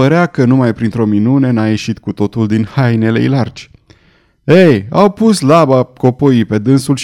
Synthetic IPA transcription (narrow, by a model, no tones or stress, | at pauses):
əɾeakənumajpɾint̪ɾo̞minunenaje̞ʃit̪kut̪o̞t̪uld̪inhajne̞lḛjlard͡ʒʲ | eja̰wpuslabako̞poipe̞d̪ɨnsulʃ